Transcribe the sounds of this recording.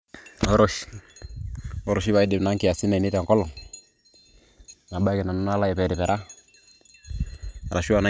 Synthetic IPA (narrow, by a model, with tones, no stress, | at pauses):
ɔ˦ɾɔ˦ʃ | ɔ˦ɾɔ˨ʃi˦βa˨i˦dɪ˨na˦ŋki˨ja˨si˦na˨ni˦ta˨ŋkɔ˦lɔ˨ŋ | na˨ba˦kɛ˨na˨nu˦na˦la˦jɛ˨pɛ˨dɪ˨pɛ˨ɾa˦ | a˨ɾa˨ʃu˦a˨na˦